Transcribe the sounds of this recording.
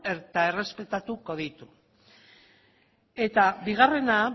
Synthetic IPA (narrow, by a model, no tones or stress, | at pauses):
eɾt̪ae̞re̞spe̞t̪at̪uko̞ð̞it̪u | e̞t̪abiɣ̞are̞na